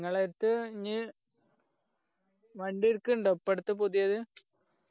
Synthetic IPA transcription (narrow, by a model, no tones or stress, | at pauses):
ŋːɐɭeɾt̪ːɨiɲːi | ʋɐɳɖiɽkːuɳɖopːeɽut̪ːɨpod̪ijɐðɨ